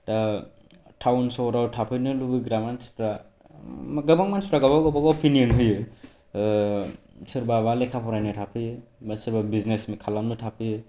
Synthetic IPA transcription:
ta | ʈʰawnsɔɾawtʰapʰɯjnɯlubɯɡɾamanspɾa | ɡɯbaŋmanspɾaɡɔbaɡɔbɔbɔpʰinijɔnɦɯjɯ | sɯɾbabalekʰapʰɔɾajnɯtʰapʰɯjɯsɯɾbabiznesmekʰalamnɯtʰapʰɯjɯ

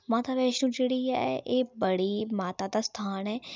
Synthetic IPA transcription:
maːt̪aːʋɛːʃnũːd͡ʒeːɽiːɛ̰ʔeːbəɽiːmaːt̪aːd̪aːst̪ʰaːnɛː

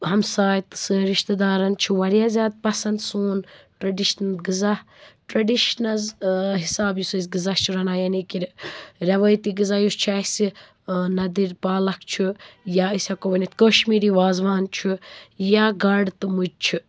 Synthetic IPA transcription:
ɦɐmsaːjt̪ɨ̥sɨɾiʃt̪ɐd̪aːɾɐnt͡ʃʰiwɐɾjaːzʲjaːd̪̚pɐsɐnd̪suːnʈɾɐɖiʃnɐlɡɨzɐh | ʈɾɐɖiʃnɐzɦisaːbjusɐsʲɡizɐht͡ʃʰiɾɐnaːjɐnikiɾɾʲɐʋɐːjt̪iːɡɨzajust͡ʃʰɐsi | nɐd̪iɾpaːlɐkt͡ʃʰijaisʲakoʋɐnit̪koʃmiːɾiːʋaːzʋaːnt͡ʃʰijaɡɐɖt̪ɨmud͡ʒt͡ʃʰi

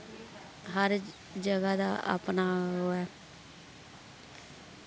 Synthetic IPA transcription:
ɦəɾ | d͡ʒəɡaːd̪a̰ːʔə̰pnaːɦoːɛː

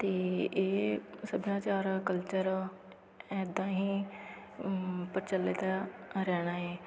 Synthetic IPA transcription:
t̪eːeːsəbjãːt͡ʃaːɾkəlt͡ʃəɾ | ɛːd̪ãːɦiː | pəɾt͡ʃəlːɪt̪aːɾɛːɽ̃aːɛː

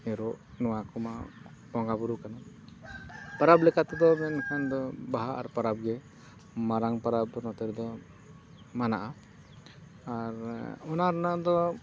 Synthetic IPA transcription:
ɛɾɔʔ | nɔwakʰɔma | bɔŋɡabuɾukana | paɾablɛkat̪ɛd̪ɔmɛnkʰand̪ɔbaɦaʔaɾpaɾab̚ɡɛ | maɾaŋpaɾabnɔt̪ɛɾd̪ɔ | manaʔa | aɾɔnaɾɔnad̪ɔ

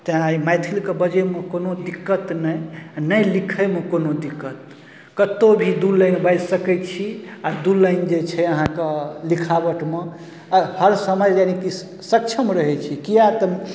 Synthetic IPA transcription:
t̪əaimajt̪ʰilkebəd͡ʒəmekonod̪ikːət̪nəjnəjlikʰəmekonod̪ikːət̪ | kət̪obʱid̪ulːəjnbajsəkɛt͡ʃʰiad̪ulːəɪnd͡ʒet͡ʃʰɛəɦãkelikʰabəʈme | həɾsəməjd͡ʒaniki | sək̚t͡ʃʰəmɾəɦɛt͡ʃʰikijat̪ə

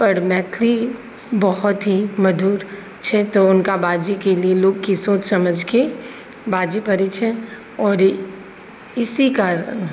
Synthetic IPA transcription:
pɐɾmɛːt̪ʰli | bɔɦɔt̪ɦimɐd̪uːɾ | t͡ʃʰɛt̪oʊnkabaːd͡ʒikelieloːɡkisoːt͡ʃsɐməd͡ʒke | baːd͡ʒipɐɾet͡ʃʰɛ | ɔːɾ | ɪsikaɾ

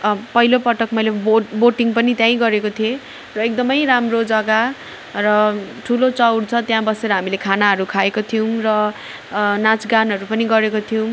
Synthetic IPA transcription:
pʌɦilopʌʈʌkmʌjleboboʈiŋpʌnit̪jãj̃ɡʌɾekot̪ʰie | rʌek̚d̪ʌmʌjɾamrod͡zʌɡa | rʌʈʰulot͡sʌwɽt͡sʰʌt̪jãbʌseɾʌɦamilekʰanaɦʌɾukʰaekot̪ʰijuw̃rʌ | nat͡sɡanɦʌɾupʌniɡʌɾekot̪ʰijuw̃

